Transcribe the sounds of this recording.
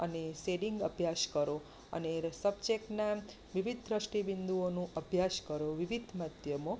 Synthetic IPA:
əneseɖiŋɡəbʱjaʃkəɾo | ə̰nesəb̚d͡ʒekna | ʋiʋid̪ʱd̪ɾəʃʈibind̪uonũəbʱjaʃkəɾoʋiʋid̪ʱmad̪jəmo

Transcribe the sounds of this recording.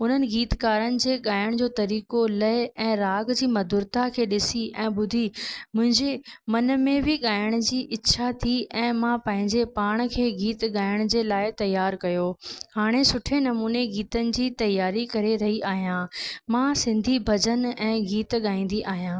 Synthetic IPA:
ʊn̤ənɪ̆ɡiːt̪kaːɾənɪ̆d͡ʑeːɠaːjəɽ̃d͡ʑoːt̪ɐɾiːkolɐɪɛ̃ːɾaːɡd͡ʑiːmɐd̪ʊɾt̪akʰeːɗɪsiʔɛ̃ːɓʊd̪ʱimʊ̃ɦɪ̃ɲd͡ʑemɐn̆mẽbɪɠaːjəɽ̃d͡ʑiːʔɪtːɕʰat̪ʰiɛ̃ːmãpɐ̃ɦɪ̃ɲd͡ʑepaːɽ̃̆kʰeːɡiːt̪ɠaːɪəɽ̃d͡ʑeːlaːɪt̪ɐjːaːɾkɐjoːhaːɽ̃esʊʈʰenɐmuːneɡiːt̪ənɪ̆d͡ʑiːt̪ɐjaːɾikɐɾeɾɐɦiʔaːɦijãːmãsɪ̃nd̪ʱibʱɐd͡ʑənɛ̃ːɡiːt̪ɠaːĩːn̆d̪iʔaːɦijãː

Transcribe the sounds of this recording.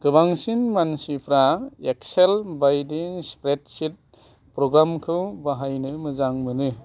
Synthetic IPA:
ɡ̥ɯbaŋsinmansipʰɾaekselbajdiŋspɾet̚sit̚ | pɾɔɡɾamkʰɯwbaɦajnɯmɯzaŋmɯnɯ

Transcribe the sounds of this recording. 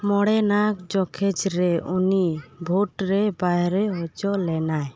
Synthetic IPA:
mɔɽɛnakd͡ʒɔkʰɛd͡ʒɾɛunibʱuʈɾɛbajɾɛɦɔt͡ʃɔlɛnaj

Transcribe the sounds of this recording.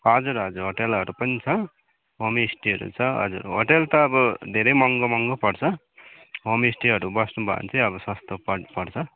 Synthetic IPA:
ʌd͡zuɾʌd͡zuɾɦoʈelʌɾupʌnit͡sʰʌ | ɦomisʈiʌɾṵt͡sʰʌʌ̰d͡zṵrɦo̰ʈelt̪ʌːbʌd̪ʱeɾʌjmʌŋɡʌmʌŋɡʌpʌɽt͡sʰʌ | ɦomsʈiʌɾubʌsnubʱʌ̰nt͡sʌ̃ʌbʌsʌst̪opʌpʌɽt͡sʰʌ

